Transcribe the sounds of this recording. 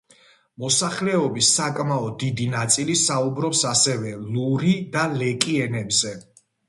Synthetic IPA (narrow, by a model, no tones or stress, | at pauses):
mɔsaχlɛɔbisːakʼmaɔd̪id̪inat̪sʼilisaubɾɔpsasɛvɛluɾid̪alɛkʼiɛnɛbzɛ